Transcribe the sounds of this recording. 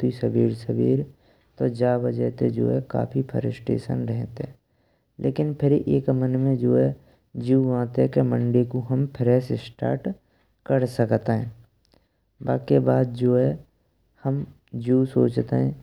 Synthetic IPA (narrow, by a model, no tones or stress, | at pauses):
isəbiːɾsəbiːɾ | t̪od͡ʒaːbəd͡ʒɛːt̪ed͡ʒo̰ːɦɛka̰ːpʰipʰə̰ɾɪ̰sʈḛːʃə̰nɾɛɦt̪eɛː | lʔḛːkɪnpʰɪɾʔeːkmənmẽd͡ʒoːɦɛ | d͡ʒuːʋãːt̪ekemə̃ɳɖekuɦəmpʰɪɾɛːsɪsʈa̰ːɾʈ | kəɾsəkt̪eɦɛ̃ː | baːkebaːd̪̚d͡ʒoːɦɛ | həm | d͡ʒuːsoːt͡ʃt̪eɦɛ̃ː